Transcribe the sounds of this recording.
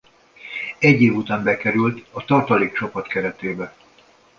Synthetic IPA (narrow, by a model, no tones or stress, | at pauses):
ɛɟːeːvut̪aːmbɛkɛɾylt̪ɒt̪ɒrt̪ɒliːk̚t͡ʃopɒt̪kɛɾɛt̪eːbɛ